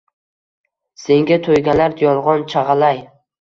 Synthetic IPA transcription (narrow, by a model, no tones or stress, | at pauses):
se̞ŋɡʲat̪ʰojɡʲalaɾd̪jɒlˠʁɒnt͡ʃʰɑʁɑlaj